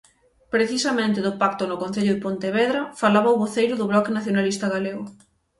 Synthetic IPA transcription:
pɾeθisɐmẽnt̪ɪðʊpak̚t̪ʊnʊkõn̟θeʎʊðɪpont̪eβɛðɾɐfalaβɐaoβoθejɾʊðʊβlɔkenaθjonalist̪ɐɣaleɣʊ

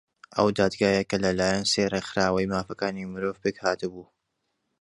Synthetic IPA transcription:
ʔɐ̰wd̪aːd̪ɡaːjekɐlɐlaːjɐnseːrexɨɾaːwɐjmaːfɐkaːnimɨɾoːvpɨɡhaːt̪ɨbuː

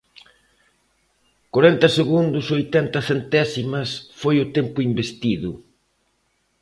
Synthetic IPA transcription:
koɾɛnt̪ɐseɣund̪ʊsojt̪ɛnt̪ɐθent̪ɛsimɐsfojʊt̪ɛmpʊimbest̪iðʊ

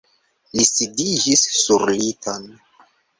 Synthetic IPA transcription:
lisidid͡ʒisːuɾlitʰan

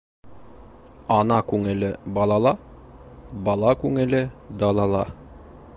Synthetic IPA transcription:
ɑnɑkʉŋɘ̆lɘbɑlˠɑlˠɑ | bɑlˠɑkʉŋɘ̆lɘd̪ɑlˠɑlˠɑ

